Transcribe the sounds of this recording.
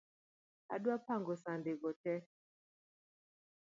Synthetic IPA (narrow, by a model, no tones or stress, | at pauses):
a̰ɗwapaŋɡɔsandeɡɔtɛ